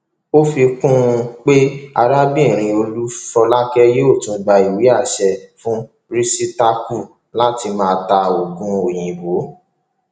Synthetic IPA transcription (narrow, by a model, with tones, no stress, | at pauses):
o˦fi˧kũ˦˧k͡pe˦a̰˧ɾa˦bi˦˨ɾ̃ĩ˧o˧lu˦fɔ˧la˦kɛ˦je˦o˦˨tũ˧ɡ͡ba˧i˨wi˨˦a˦˨ʃɛ˧fũ˦ | ɾi˦si˦ta˧ku˦˨ | la˦ti˧mãː˦˧ta˧o˨ɡũ˧o˨j̃ĩ˨bo˨˦